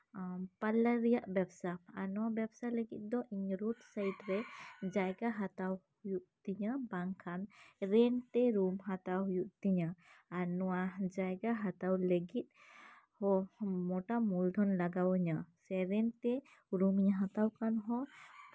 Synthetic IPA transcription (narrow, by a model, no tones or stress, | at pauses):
palaɾijaʔbɛbsaanɔwabɛbsaləɡḭt̪̚ˀd̪ɔʔiɲɾut̪sajʈɾɛd͡ʒajɡaɦat̪awhujuʔt̪iɲəbaŋkʰanɾɛnt̪ɛɾumɦat̪awɦujuʔt̪iɲəanɔwad͡ʒajɡaɦat̪awləɡit̪̚ˀ | hɔmɔʈamuld̪ʱɔnlaɡawəɲəsɛɾɛnt̪ɛ | ɾumiɲəɦat̪awkanɦɔ